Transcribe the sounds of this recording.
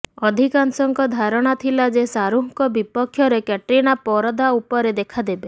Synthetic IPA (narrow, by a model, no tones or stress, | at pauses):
ɔd̪ʱikansɔŋkɔd̪ʱaɾɔɽ̃at̪ʰilad͡ʒesaɾuɦkɔbipɔkʰːjɔɾekɛʈɾiñapɔɾɔd̪aupɔɾed̪ekʰad̪ebe